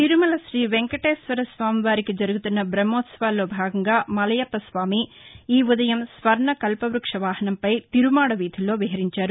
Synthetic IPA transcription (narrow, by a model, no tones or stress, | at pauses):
t̪iɾumɐlɐʃɾiːʋeŋkɐʈeːsʋɐɾɐsʋaːmiʋaːɾikid͡ʒɐɾuɡut̪unːɐbɾɐmːoːt̪sɐʋaːlːo̞ːbʱaːɡɐŋɡaːmɐlɐjɐpːɐsʋaːmiiːud̪ɐjɐmsʋɐɾɳɐkɐlpɐʋɾukʂɐʋaːɦɐnɐmpɐjt̪iɾumaːɽɐʋiːd̪ʱilːo̞ːʋiɦɐɾiɲt͡ʃaːɾu